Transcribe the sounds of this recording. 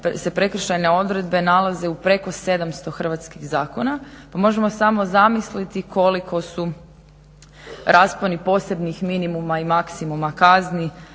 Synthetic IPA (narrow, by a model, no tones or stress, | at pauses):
pse̞pɾe̞kr̩ʃajne̞o̞d̪ɾe̞d̪̚be̞nalaze̞upɾe̞ko̞se̞d̪amst̪o̞xr̩ʋat̪skixzaːko̞napamo̞ʒe̞mo̞samo̞zamislit̪ikʰo̞likʰo̞su | ɾʔaːsponipo̞ːse̞bnixminimumaimaksimumakazni